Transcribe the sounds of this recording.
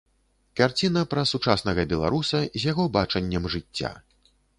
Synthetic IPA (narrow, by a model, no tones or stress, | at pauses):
kart͡sʲinɐpɾɐsut͡ʂasnɐɣɐbʲɛlˠa̰ɾusɐizʲjaɣɔbat͡ʂɐnʲːɐmʐɨt͡sʲːa̰